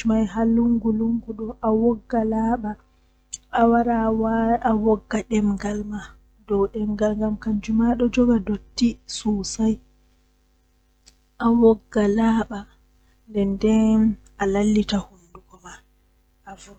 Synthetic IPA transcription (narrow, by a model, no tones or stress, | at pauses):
majɦaluŋɡuluŋɡuɗɔʔawɔɡːalaɓaː | waɾawaawɔɡːaɗɛmŋɡalma | dɔwɗɛmɡalŋɡamkaɲd͡ʒumaɗɔd͡ʒɔɡadotːisuːsaj | ʔawɔɡːalaːɓa | ndɛndɛn | alalːitahunduɡɔma | avu